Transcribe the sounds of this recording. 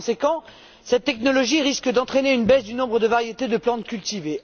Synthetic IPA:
sekɑ̃ | sɛt̪ːɛknɔlɔʒiʁiskəd̪ɑ̃t̪χeneynbɛsd̪ynɔ̃bʁəd̪əvaʁjet̪ed̪əplɑ̃t̪kʲylt̪ive

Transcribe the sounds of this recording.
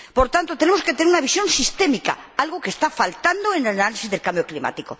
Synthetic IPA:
poɾt̪ant̪ot̪enemoske̞t̪eeunaβ̞isjõ̞nsist̪emika̰alɣokest̪afalt̪and̪oenanalisizðelkambjoklima̰t̪iko

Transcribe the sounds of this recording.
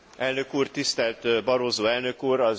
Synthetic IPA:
ɛlnø̞kuːrt̪ist̪ɛlt̪bɒɾoːzoːɛlnø̞kuːɾɒ

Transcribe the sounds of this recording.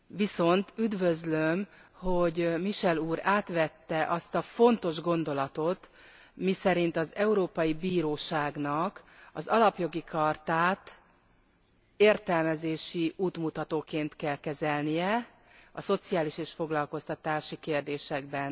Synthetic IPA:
ʋiso̞nt̪yd̪vø̞zlømho̞ɟmiʃɛluːɾaːt̪ʋɛt̪ːɛʔɒst̪ɒfo̞nt̪o̞ʒɡo̞nd̪o̞lɒt̪o̞t̪ | misɛɾint̪ɒzɛuɾoːpɒjibiːɾoːʃaːɡnɒkɒzɒlɒpjo̞ɡikʰɒrt̪aːt̪ | eːrt̪ɛlmɛzeːʃiuːt̪mut̪ɒt̪oːkeːnt̪kɛlkɛzɛlnijɛ | ɒso̞t̪sijaːliʃeːʃfo̞ɡlɒlko̞st̪ɒt̪aːʃikeːrd̪eːʃɛɡ̚bɛn

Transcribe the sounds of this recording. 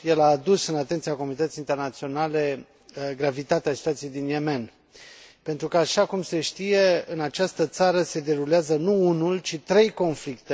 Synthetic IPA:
je̞laːd̪usɨnat̪e̞nt̪siako̞munit̪ət̪sint̪e̞rnat̪sio̞nale̞ | ɡɾavit̪at̪easit̪uat̪sijejd̪inje̞me̞n | pe̞nt̪ɾukəaʃakumse̞ʃt̪ije̞ɨnat͡ʃast̪ət̪saɾəse̞d̪e̞ɾuleazənuunult͡ʃit̪ɾe̞jko̞nflikt̪e

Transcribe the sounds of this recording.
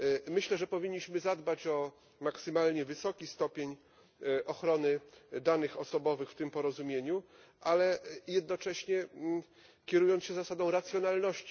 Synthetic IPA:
mɘɕlɛʐɛpɔvʲiɲːiɕmɘzad̪bat͡ɕɔ | maksɘmalɲɛvɘsɔkʲist̪ɔpʲjeɲ | ʔɔxɾɔnɘd̪anɘxɔsɔbɔvɘxft̪ɘmpɔɾɔzumʲjeɲu | ʔalɛjɛd̪nɔt͡ʂɛɕɲɛ | kʲɛɾujɔnt̪ɕɛzasad̪ɔ̃w̃ɾat̪sʲjɔn̪alnɔɕt͡ɕi

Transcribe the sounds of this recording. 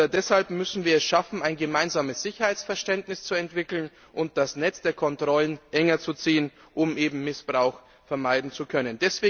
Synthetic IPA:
dɛshalpmʏsn̩viːɐɛsʃafn̩aɪnɡəmaɪnzaːməsz̥ɪçɐhaɪt͡sfɛɐʃtɛntnɪst͡suɛntv̥ɪkl̩n | ʔʊnt̚d̥asnɛt͡sd̥eːɐkʰɔntʁ̥ɔlənʔɛŋɐt͡sut͡siːən | ʔʊmʔeːbm̩mɪsb̥ʁaʊx | fɛɐmaɪdn̩t͡sukʰœnəndɛsv̥eː

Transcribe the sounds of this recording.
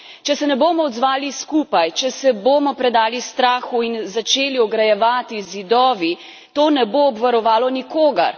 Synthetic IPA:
t͡ʃɛsɛnɛboːmɔɔd̪zʋaːliskuːpajt͡ʃɛsɛbomɔpɾɛd̪aːlist̪ɾaːxuinzat͡ʃeːliɔɡɾajɛʋaːt̪izid̪ɔːʋi | t̪oːnɛboːbʋaɾɔʋaːlɔnikoːɡɐ̰ɾ

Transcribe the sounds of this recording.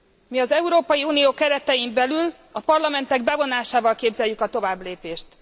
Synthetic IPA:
miɒzɛuɾoːpɒjiuːnijoːkɛɾɛt̪ɛjimbɛlyl | ɒpɒrlɒmɛnt̪ɛɡbɛvo̞naːʃaːvɒlkeːbzɛjːykɒt̪o̞vaːbleːpeːʃt̪

